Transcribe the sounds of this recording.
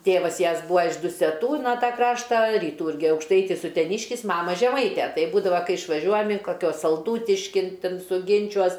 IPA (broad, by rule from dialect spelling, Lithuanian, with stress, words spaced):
ˈtʲeːʋɐs ˈjɛs ˈbuːɐ ɪʃ dʊsʲɛˈtuː ˈtɑː ˈkrɑːʃtɑː rʲiːˈtuː ˈɪrʲɡʲɪ ɐʊkʃˈtɐɪtʲɪs ʊtʲɛˈnʲɪʃʲkʲɪs ˈmɑːmɐ ʒʲɛˈmɐɪtʲɛ ˈtɐɪp ˈbuːdɐʋɐ ˈkɐɪ ɪʃʋɐˈʒʲuɔjɛm ɪn kɐˈkʲuɔs sɐlˠˈduːtʲɪʃʲkʲɪn ˈtʲɛn sʊˈɡʲɪnʲt͡ʃʲuɔs